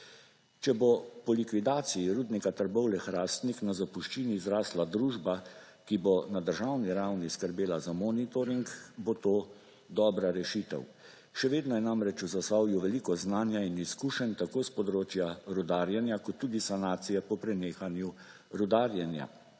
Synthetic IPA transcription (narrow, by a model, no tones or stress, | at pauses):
t͡ʃɛbopɔlikʋid̪aːt̪siiɾuːd̪nikat̪əɾbɔwlɛxɾaːst̪niknazapuʃt͡ʃiːniːzɾaːslad̪ɾuːʒba | kibonad̪əɾʒawniɾawniskəɾbeːlazamɔːnit̪ɔɾiŋkbot̪oː | d̪ɔːbɾaɾɛʃit̪ɛ̰w | ʃɛʋeːd̪nɔjɛnamɾɛt͡ʃuzasawjuʋɛlikɔznaːnjainiskuːʃənʲt̪akoːspɔd̪ɾoːt͡ʃjaɾud̪aːɾjɛnjakɔt̪ːuːd̪isanaːt̪sijɛpɔpɾɛneːxanju | ɾud̪aːɾjɛnja̰